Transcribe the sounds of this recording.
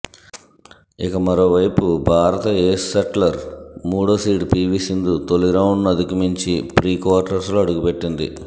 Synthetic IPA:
ikɐmɐɾoːʋɐjpubʱaːɾɐt̪ɐeːsːɐʈlɐɾmuːɽoːsiːʈpiːʋisind̪ut̪oliɾɐwuɳɖnɐd̪ukumiɲt͡ʃipɾiːkʋaːɾʈɐɾsluɐɽuɡupe̞ʈːind̪ḭ

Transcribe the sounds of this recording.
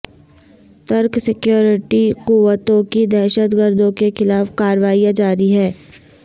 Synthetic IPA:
t̪ɐɾksɪkjoːɾɪʈiquʋət̪õkid̪ɛːʃət̪ɡəɾd̪õkexɪlaːfkaːɾʋaːijãd͡ʒaːɾiɦɛː

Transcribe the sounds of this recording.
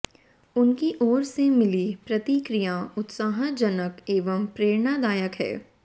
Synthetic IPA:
ʊnkiʔoːɾsemɪlipɾɐt̪ikɾɪjaʊt̪saːɦəd͡ʒənəkeːʋəmpɾeːɾnad̪aːjəkɦɛ̰ː

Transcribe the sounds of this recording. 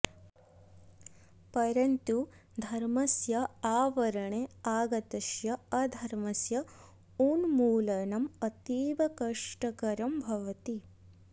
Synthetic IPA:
pɐɾɐnt̪u | d̪ʱɐɾmɐsjɐaːʋɐɾɐɳeaːɡɐt̪ɐʃjɐɐd̪ʱɐɾmɐsjɐ | uːnmuːlɐnɐmɐt̪iːʋɐkɐʂʈɐkɐɾɐmbʱɐʋɐt̪i

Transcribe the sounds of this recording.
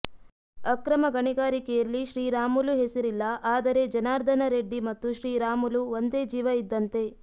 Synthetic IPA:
ɐkɾɐmɐɡɐɳiɡaːɾikɛjɐlːiʃɾiːɾaːmuluɦesiɾilːɐʔaːd̪ɐɾe̞d͡ʒɐnaːɾd̪ʱɐnɐɾe̞ɖːimɐt̪ːuʃɾiːɾaːmuluʋond̪e̞ːd͡ʒiːʋɐid̪ːɐnt̪e̞

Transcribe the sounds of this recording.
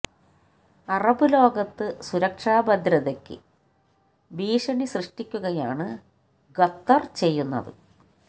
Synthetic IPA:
ɐrɐbɨlo̞ːɡɐt̪ːɨsuɾɐkʂaːbɐd̪ɾɐðɐkʲːɨ̰ | biːʂɐɳisrɨʂʈikʲːuɣɐjaːɳɨ | ɡɐt̪ːɐrt͡ɕe̞jːunːɐ̰ðɨ̰

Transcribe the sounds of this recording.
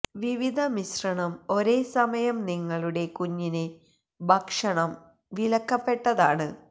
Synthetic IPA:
ʋiʋid̪ʱɐmisrɐɳɐmo̞ɾe̞ːsɐmɐjɐmniŋːɐɭuɽe̞kuɲːine | bʱɐkʂɐɳɐm | ʋilɐkːɐpːe̞ʈːɐðaːɳɨ

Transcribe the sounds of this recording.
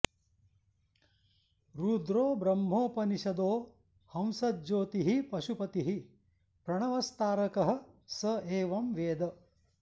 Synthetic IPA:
ɾuːd̪ɾoːbɾɐmːɦoːpɐniʃɐd̪oː | hɐmsɐt̪̚d͡ʒoːt̪iɦipɐʃupɐt̪iɦi | pɾɐɳɐʋɐst̪aːɾɐkɐɦɐ̆sɐeːʋɐmʋeːd̪ɐ

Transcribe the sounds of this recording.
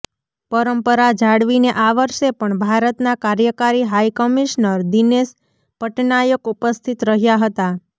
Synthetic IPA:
pəɾəmpəɾad͡ʒaɽʋineʔaʋəɾʃepəɳbʱaɾət̪nakaɾjəkaɾiɦajkəmiʃnəɾd̪ines | pəʈnajəkupəst̪ʰit̪ɾəɦjaɦət̪a

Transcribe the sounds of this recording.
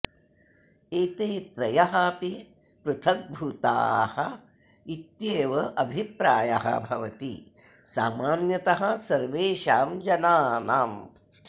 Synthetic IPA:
eːt̪eːt̪ɾɐjɐɦɐpi | pɾut̪ʰɐk̚bʱut̪a̰ːhɐ | it̪jeːʋɐʔɐbʱipɾaːja̰ɦɐ̰bʱɐʋɐt̪ḭ | sa̰ːmaːnjɐt̪ɐɦɐsɐɾʋeːʃaːmd͡ʒɐnaːnaːm

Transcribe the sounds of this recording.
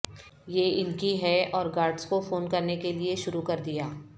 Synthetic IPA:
jeːɪlkiɦɛɔːɾɡaːɾɖskofoːnkɐɾnekelieʃʊɾukɐɾd̪ijaː

